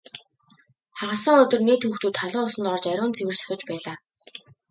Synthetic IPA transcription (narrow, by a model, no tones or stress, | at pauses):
χaʁə̆sə̆ŋɵt̪ɵ̆rneːt̪ʰxuːxt̪uːt̪ʰːaɮʊŋʊsə̆nt̪ɔrt͡ɕæɾʲʊːnt͡sʰewɘ̆rsæ̥xʲɪ̆t͡ɕpæːɮaː